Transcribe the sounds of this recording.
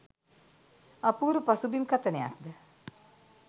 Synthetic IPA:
ɐpuːɾupɐsubimkɐt̪əneja̰k̚d̪ə

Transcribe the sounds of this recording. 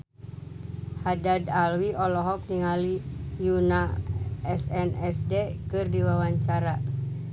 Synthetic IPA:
hadadalwiɔlɔɦɔk̚niŋalijunaɛsɛnɛsdekɨrdiwawaɲt͡ʃaɾa

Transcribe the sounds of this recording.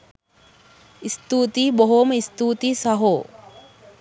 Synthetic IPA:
ist̪uːt̪iboɦoməist̪uːt̪iːsɐɦoː

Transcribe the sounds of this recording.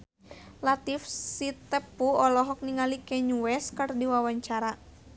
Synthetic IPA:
lat̪ifsit̪əpuɔlɔɦɔk̚niŋalikɛɲuwɛskɨrdiwawaɲt͡ʃaɾa

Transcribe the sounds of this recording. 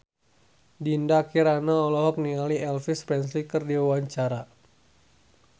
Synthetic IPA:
dindakiɾanaɔlɔɦɔk̚niŋaliɛlfispɛns̬likərdiwawaɲt͡ʃaɾa

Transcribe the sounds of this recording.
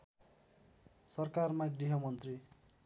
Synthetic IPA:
sʌrkarmaɡiɦʌmʌnt̪ri

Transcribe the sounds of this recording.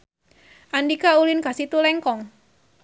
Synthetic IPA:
ʔandikaulinkasit̪ulɛŋkɔŋ

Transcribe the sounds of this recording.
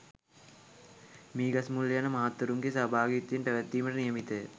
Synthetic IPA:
miːɡɐsmulːejanɐmɐɦɐt̪wɐɾuŋɡesɐbʱaːɡit̪jenʈ̪ɐʋɛt̪ːiːmɐɾɐnijɐmit̪e

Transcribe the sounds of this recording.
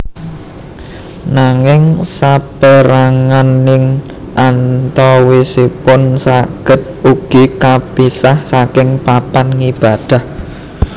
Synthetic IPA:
naŋɪŋsapəɾaŋanːɪŋ | ʔant̪ɔwisipʊnsaɡ̥ə̤t̪̚uɡ̥i̤kapisahsakɪŋpapanŋib̥a̤d̥a̤h

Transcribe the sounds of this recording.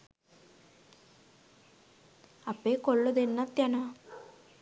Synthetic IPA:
ɐpːeːkoɭːud̪enːɐt̪ːjɐna

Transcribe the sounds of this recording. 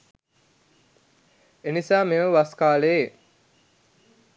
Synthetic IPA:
enisaːmeʋəʋaskaːləe

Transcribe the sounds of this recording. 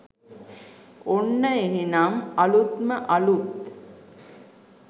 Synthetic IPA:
onːəeɦinamɐlut̪məʔɐlut̪

